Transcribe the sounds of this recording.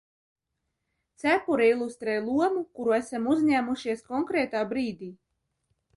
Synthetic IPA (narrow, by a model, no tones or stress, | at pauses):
t̪sʲæpuɾɛilˠust̪ɾɛjlˠuɔmukuɾuæsamuzʲɲæːmuʃiɛskɔŋkɾɛːt̪aːbɾiːd̪iː